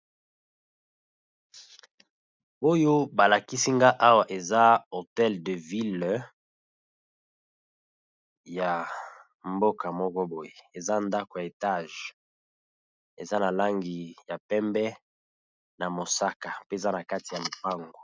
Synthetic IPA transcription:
o˦jo˦ba˨la˨ki˦si˦ŋɡa˦ʔa˦wa˨ʔe˨za˦o˨tɛ˦ldə˨vi˦l | ja˨ | mbo˦ka˨mɔ˦kɔ˦bo˨je˨e˨za˦nda˦ko˨ja˨e˨ta˦˨ʒ | e˨za˦na˨la˦ŋɡi˨ja˨pɛ˦mbɛ˦ | na˨mo˨sa˦ka˨pe˦˨za˦na˨ka˦ti˨ja˨lo˨pa˦ŋɡo˨

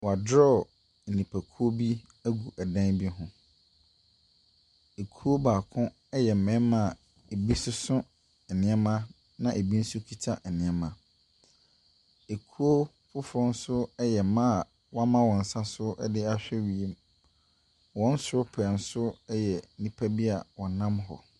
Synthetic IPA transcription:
wa˨dɾɔ˦˨ | n̩˨nĩ˨pʰæ˨kʰu˦o˦bi˦ | æ˦ɡu˨ʔa˨dã˦nbi˦ɦʊ̃˦ | e˨kʰu˦o˦baː˨kʰʊ̃˦ | ɛ˦jɛ˨m̩˨mɛ̃˨˦mã˨ | e˨bi˦sʊ˦sʊ̃˦ | ɛ˨nɪ̃˨˦ɛ˦mã˦ | nã˨ʔe˨bi˦n̩˦sʊ˦kʰi˦tʰa˦ɛ˨nɪ̃˨ɛ˦mã˨ | e˨kʰu˦o˦ | fʊ˦fɔ˦n̩˦sʊ˦jɛ˨˦mã˦a˨ | wɔ˦a˦mã˦wɔ̃˨n̩˨sã˦sʊ˦ɛ̰˦dɪ˦a˨ɕᶣɛ˦ɥi˨e˦m | wɔ̃˦n̩˦sʊ˨ɾʊ˦pʰɛ˨n̩˦sʊ˦ɛ˦jɛ˨˦nĩ˨pʰæ˦bi˦a˨wɔ̃˨nã˦mɦɔ̰˨

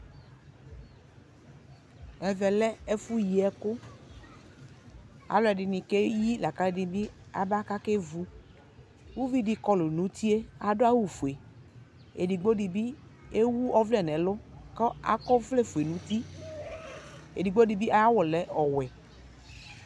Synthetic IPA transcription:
ɛ˨vɛ˨lɛ˦e˦fu˦ji˨ɛ˦kʊ˦ | a̰˨lʊ˦ɛ˨ɖɪ˨nĩ˨ke˦ji˦la˨ka˦e˦di˨bi˦a̰˨ba˦ka˦ke˦vu˦ | wu˦vi˦di˦kɔ˦lʊ˨nũ˨˦t̪i˦e˦a˨ɖʊ˦a˦wu˦˨fu˨e˨ | ḛ˨di˨ɡ͡bo˦di˨bi˦e˦wu˦ɔ˦vlɛ˨nɛ̃˨lʊ˦kɔ˦a̰˦kɔ˦vle˦fu˨e˨nũ˨˦t̪i˦ | e˨di˨ɡ͡bo˦di˨bi˦ʔa˦a˦wɔ˨lɛ˦ɔ˨wɛ˨

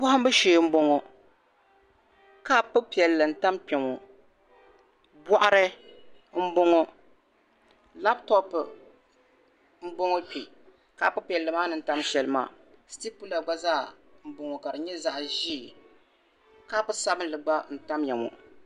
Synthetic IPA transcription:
bʊ˦ʊ˦m˦bɨ˦ʃe˨˦m̩˦bo˦ŋo˨ | ka˦pɨ˦pi˨ɛ˨lːɨ˨n̩˨ta˦mpɛ˨ŋo˨ | bɔ˦ʔa˦ɾɨ˦ | m̩˦bo˦ŋo˦ | la˦btɔ˦p | m̩˦bo˦ŋo˦pi˨ | ka˦˨pɨ˦pi˨ɛ˨lːɨ˨maː˦nɨ˨n̩˦ta˦mʃɛ˦lɨ˦ma̰ː˨ | sti˦k̚pu˦la˨ɡ͡ba˦zaː˦˨ | m̩˨˦bo˨ŋo˨ka˨ɾɨ˨ɲɛ˦za˦˨ʔʒi˦˨ | ka˦pʊ˦sa˦bɨ˦n˦lɨ˨ɡ͡ba˦n̩˨ta˦mja˨mo̰˨

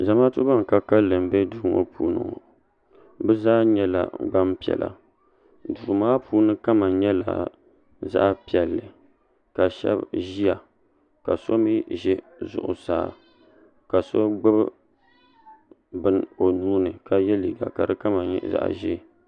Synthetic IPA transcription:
za˨maː˦tu˦ba˦ŋ˨ka˨ka˦lɨ˨m˨˦bɛ˦du˨ɾmo̰˦pʰuː˨nɨ̰˦˨ŋ̰˨ | bɛ˦zaː˦ɲɛ˦la̰˨ɡ͡ba˦mpi˨ɛ̰˨lʔa̰˨ | du˨maː˦pʰuː˦nɨ˦ka˦ma˨ɲɛ˦la̰˨ | za̰˦ʔpi˨ɛ˨lːɨ˨ | ka˨ʃɛ̰˦bʒi˦ja˨ | ka˨so˦mi˦ʒɛ˦ | zʊ̰˨ʔʊ̰˨sa̰ː˨ | ka˨so˦ɡ͡bɨ˦b | bɨ˦no˨nuː˦nɨ˨ka˨jɛ˦liː˨ɡa̰˨ka˨ɾɨ˦ka˦ma˨ɲ˨za̰˦ʔʒɛ˦˨

